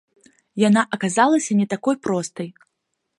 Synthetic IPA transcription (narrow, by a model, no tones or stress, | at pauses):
janaʔɐkazalˠɐsʲɐnʲɛt̪akɔjpɾɔst̪ɐj